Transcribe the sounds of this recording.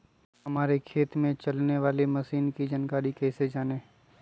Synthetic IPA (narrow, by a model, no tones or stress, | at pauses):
ɦɐmaːɾekʰeːt̪mẽt͡ʃɐlneʋaːleməsiːnkid͡ʒənkaːɾikɛːsed͡ʒaːneː